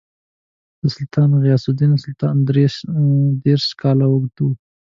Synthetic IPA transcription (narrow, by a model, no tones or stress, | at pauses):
əsʊlt̪ʰɑnɣjɑsʊd̪insʊlt̪ɑnd̪ɾe | d̪eɾʃkɑlawəɡd̪u